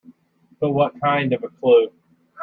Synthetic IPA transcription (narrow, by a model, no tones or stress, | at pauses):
b̥əwʌt̚kʰãɪ̃ndʌvəkʰl̥u